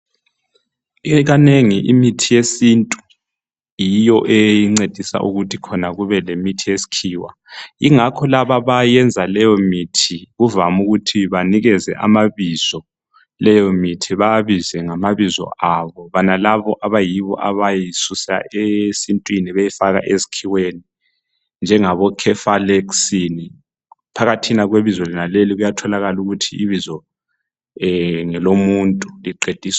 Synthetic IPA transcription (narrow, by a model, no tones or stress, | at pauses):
ɣaneŋiʔimitʰijesintʼu | jijɔʔejiŋ͡ǀed̥ʱisa̰ʔṵɣutʰikʰɔnaɣuβɛlemitʰijesi̥kʰiːwa̰ | iŋakʰɔlaβaβajɛnd͡zʱalɛjɔmitʰiɣuvamuɣutʰiβaniɣɛzɛ̰ʔa̰maβiz̥ɔ | lɛjɔmitʰiβaaβizɛŋamaβizɔ̰ʔaβɔβanalaβɔʔaβajiβɔ̰ʔaβajisusa̰ʔesintʼwiniβejifaɣa̰ʔezi̥kʰiweni | nd͡ʒʱɛŋaβɔkʰɛfalɛksini | pʰaɣatʰinaɣweβizɔlɛnaleliɣujatʰɔlaɣaluɣutʰiiβizɔ | ŋɛlomuntʼuliǃed̥ʱiːsḁ